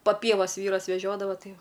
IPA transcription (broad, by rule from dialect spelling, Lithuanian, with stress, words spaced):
pɐ ˈpʲiɛʋɐs ˈʋʲiːrɐs ʋʲɛˈʒʲoːdɐʋɐ ˈtɐɪ ˈjɛʊ